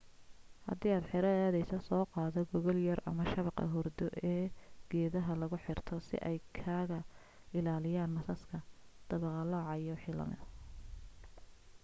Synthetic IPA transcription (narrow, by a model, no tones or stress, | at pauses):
hɐ̰d̪iːaːd̪ħɪɾɐaːðɛjsɐsɔːqɑːðɔɡɔɣɔljɐrʔɐ̰mɐʃɐβɑqɐ̰ɦɔrd̪ɔʔɛːɡ̥ɛːðɐɦɐlɐɣʊħɪrt̪ʰɔsɪ̰ʔɛjkʰaːɣɐ | ɪlaːlɪjaːnmɐsɐskʰɐd̪̥ɐβɛqɑlɔːʕɑjɔħiːlɐ̰mɪ̰